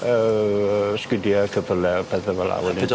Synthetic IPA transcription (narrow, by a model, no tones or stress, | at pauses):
əəskwɪdjakʰəpʰəlɛpʰɛθavɛla̰wɛlˠ